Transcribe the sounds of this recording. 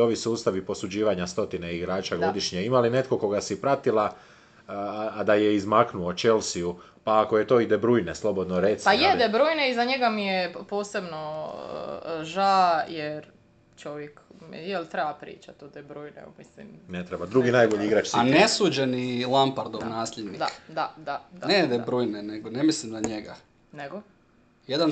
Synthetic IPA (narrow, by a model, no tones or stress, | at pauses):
o̞ʋisuːst̪aʋipo̞sud͡ʑiːʋaɲast̪o̞t̪ineiɡɾaːt͡ʃaɡo̞d̪iʃɲeimaline̞t̪ko̞ko̞ɡasipɾat̪ilˠa | d̪ajeizmaknuot͡ʃe̞lsiu | paːko̞jet̪o̞ːid̪ebɾujneslˠo̞bo̞d̪noɾet̪sijed̪ebɾujneizaɲeɡamijepoːse̞bno̞̰ | ʒajeɾ | t͡ʃoʋjekmijelt̪ɾebapɾḭːt͡ʃat̪od̪ebɾuːjnḛṵmislḭmnet̪ɾebad̪ɾuɡinajboʎiiɡɾat͡ʃsianesuːd͡ʒenilˠampaɾd̪oʋnaːsʎed̪nid̪akd̪ad̪aaned̪ebɾuːjneneɡonemislimd̪aɲeɡa | neɡo | jed̪an